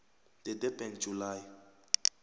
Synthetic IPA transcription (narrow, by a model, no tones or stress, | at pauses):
d̥ɛdɛbɛnd͡ʒʱulaːj